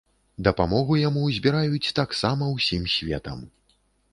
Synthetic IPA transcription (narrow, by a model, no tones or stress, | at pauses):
d̪ɐpamɔɣujamuzʲbʲiɾajut͡sʲt̪aksamɐwsʲimsʲvʲɛ̰t̪ɐ̰m